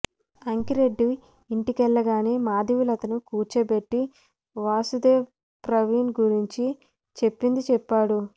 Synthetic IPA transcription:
ɐŋkiɾeɖːi | iɳʈikɛɭːɐɡaːneːmaːd̪iʋilɐt̪ɐnukuːɾt͡ʃebe̞ʈːi | ʋaːsud̪eː | pɾɐʋiːnɡuɾiɲt͡ʃi | t͡ʃe̞pːind̪it͡ʃɛpːaːɽu

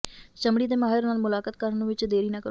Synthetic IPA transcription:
t͡ʃəmɽiːd̪eːmaːɦɪɾnaːlmʊlaːkət̪̚kəɾənũːʋɪt͡ʃd̪eːɾiːnãːkəɾ

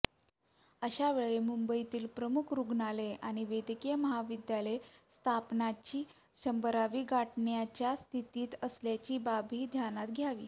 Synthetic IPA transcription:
əɕaʋeɭemumbəit̪iːlpɾəmukʰɾuɡɳaleaɽ̃iʋed̪ikijəməɦaʋid̪jalest̪ʰapnat͡ɕiː | ɕəmbəɾaʋiːɡaʈɳjat͡ɕjast̪ʰit̪iːt̪əsljat͡ɕiːbabʱiːd̪ʱjanat̪ɡʱjaʋḭː

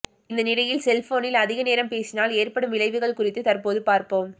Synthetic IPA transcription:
ɪnd̪ɐnɪɽɐjɪlsɛlfoːnɪlɐðɪɣɐneːɾɐmpeːsɪnaːleːrpɐɽɯmʋɪlɐɪʋɯɣɐɭkʊrɪt̪ːɯt̪ɐrpoːðɯpaːɾpoːm

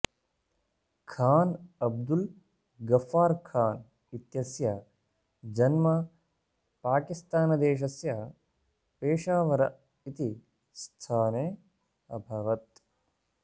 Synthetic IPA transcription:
kʰaːnɐb̚d̪ul | ɡɐfaːɾkʰaːn | it̪jɐsjɐ | d͡ʒɐnmɐ | paːkist̪aːnɐd̪eːʃɐsjɐ | peːʂaːʋɐɾɐ | it̪i | st̪ʰaːneː | ɐbʱɐʋɐt̪

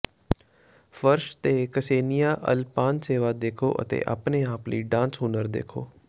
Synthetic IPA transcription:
fəɾʃt̪eːkəseːnijaːʔə̰lpaːnseːʋaːd̪eːkʰo̰ːʔə̰t̪ḛːʔə̰pneaːplḭːɖãːnsɦʊːnəɾd̪ḛːkʰoː

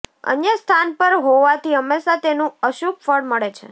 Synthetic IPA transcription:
ə̰njəst̪ʰanpəɾɦoʋat̪iəmːeʃat̪enũəʃup̚fəɽməɭet͡ʃʰḛ

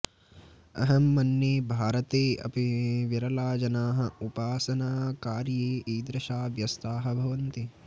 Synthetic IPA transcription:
ɐ̰ɦɐmːɐnːeːbʱaːɾɐt̪eːɐ̰piʋiɾɐlaːd͡ʒɐnaːɦɐ̆upaːsɐnaːkaːɾjeːʔiːd̪ɾɐʃaːʋjɐst̪aːɦɐ̆bʱɐʋɐnt̪i

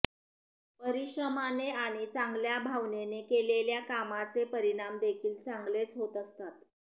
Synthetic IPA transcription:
pəɾiɕəmaneaɽ̃it͡sãŋɡljabʱaʋnenekeleljakamat͡sepəɾiɽ̃amd̪ekʰiːlt͡saŋɡlet͡sɦot̪əst̪at̪

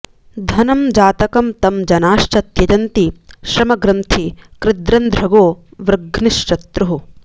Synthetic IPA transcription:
d̪ʱɐnɐmd͡ʒaːt̪ɐkɐmt̪ɐmd͡ʒɐnaːʃt͡ʃɐt̪jɐd͡ʒɐnt̪iʃɾɐmɐɡɾɐnt̪ʰikɾɪd̪ɾɐnd̪ʱɾɐɡoːʋɾɡniʃt͡ʃɐt̪ɾuɦu

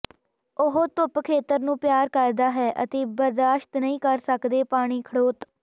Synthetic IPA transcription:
ʊɦot̪ʊpkʰeːt̪əɾnũːpjaːɾkəɾd̪aːɦɛːʔə̰t̪eːbəɾd̪aːʃt̪nəĩːkəɾsəkd̪eːpaːɽ̃iːkʰəɽoːt̪

